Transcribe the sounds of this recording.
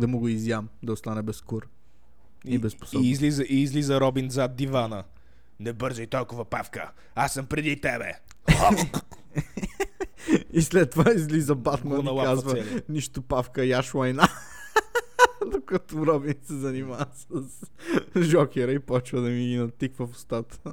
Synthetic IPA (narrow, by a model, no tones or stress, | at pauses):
d̪ɐmoɡʊizjamd̪ɐʊst̪anɛbɛskʊɾ | ibɛspo̥siːzlizəʔiːzlizəɾɔbinzad̪̚d̪ivanə | nɛbɤɾzoit̪ɔlˠkʊvɐpafkə̰ | asːəmpɾɛd̪it̪ɛbɛ̰ | islɛt̪ːovaizlizɐbat̪mannɐlakazvəɛniʃt̪ʊpafkəiaʃlɐjna | d̪okɐt̪ʊɾɔbinsɛzɐnimasəs | ʒɔkʲɛɾəipɔt͡ʃvəd̪ɐminɐt̪ːikvəfʊ̥st̪at̪ə